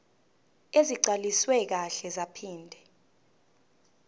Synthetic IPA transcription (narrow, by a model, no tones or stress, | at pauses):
eziǀaliswɛk̬aɬɛzapʰiːndʱɛ